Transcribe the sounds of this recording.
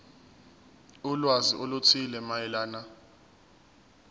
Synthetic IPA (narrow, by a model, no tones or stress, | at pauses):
ulwaziʔolut͡sʰilɛmaɛlaːna